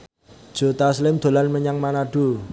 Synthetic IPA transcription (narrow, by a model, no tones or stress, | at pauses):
d̥ʒ̥o̤t̪aslɪmd̪̥o̤lanməɲaŋmanaɖ̥o̤